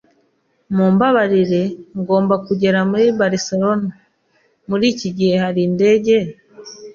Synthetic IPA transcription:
muːmbaβaɾiɾe̞ŋɡo̞ːmbakuɟe̞ɾamuɾibaɾiseɾo̞na | muɾiːciɟihe̞haɾinde̞ːɟe̞

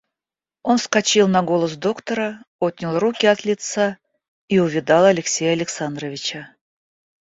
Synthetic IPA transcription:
o̞nskat͡ɕilˠnɐɡo̞lˠəs̬d̪o̞kt̪əɾəot̪̚ʲnʲɪlˠrukʲɪɐt̪lʲɪt̪sa | iʊvʲɪd̪ɑlˠɐlʲɪksʲejəɐlʲɪksand̪rəvʲɪt͡ɕə

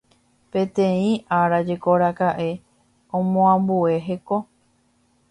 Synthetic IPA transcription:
pẽ̞t̪ẽĩʔaɾad͡ʒe̞koɾakaʔe̞ | õmõãmbue̞ɦe̞ko̞

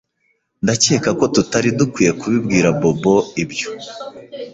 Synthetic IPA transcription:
ndace̞ːkako̞tutaɾidukwiːje̞kuβib̚ɡiːɾabobo̞ibjo̥

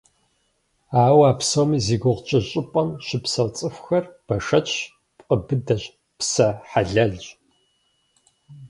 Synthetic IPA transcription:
aːwaːpsowmiːziːɡʷʊʁt͡ʃʼɐɕʼɪpʼɐnʃɪpsɐwt͡sʼɨfxɐrb̥ɐʂɐt͡ʃʰ | pʼqʼəbɨdɐʑ | psɐħaɮɐɮ

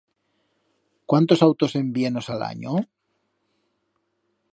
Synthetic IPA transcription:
kwant̪o̞sawt̪ose̞mbienosala̰ɲo

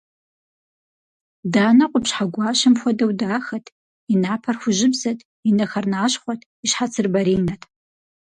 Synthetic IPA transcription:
daːnɐqʷʼʊpɕħaɡʷɑːʃɐmxʷɔdɐwdaːxɐtʰ | inaːpʰɐrxʷʊʒɪbzɐtʰʼ | inɐxɐrnaːɕχʷɔtʰ | iɕħat͡sʰɨrbɐɾiːnɐtʰ

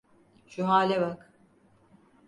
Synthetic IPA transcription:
ʃuɦaːlʲɛβak

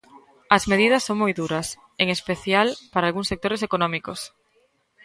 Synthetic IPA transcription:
ɐzmeð̞iðɐsːoŋmojðuɾɐs | eŋespeθjalpaɾaːlɣuŋsek̚t̪oɾesekonɔ̃mikos

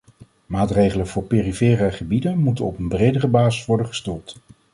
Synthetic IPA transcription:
maːtrejχələvʊːɹpeːrifeːraχəbidənmutənɔpənbrejdərəbaːzəsʋɔɹdəχə̥stulˠt

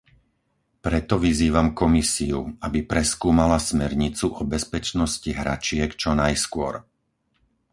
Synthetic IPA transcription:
pɾɛt̪ɔʋiziːʋamkɔmisiuabipɾɛskuːmalasmɛɾɲit͡suʔɔbɛspɛt͡ʃnɔsciɦɾa̰t͡ʃɪɛkt͡ʃɔnajskʊɔ̰ɾ

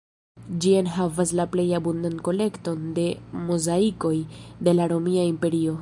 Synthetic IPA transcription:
d͡ʒienɦavaslaple̞jabundanko̞le̞kto̞nde̞mozaiko̞jde̞laɾo̞miaimpe̞ɾio̞

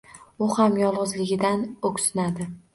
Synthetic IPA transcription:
ʊhamjɒlˠʁʊzlɪɡʲɪd̪anokʲsɪnad̪ɪ

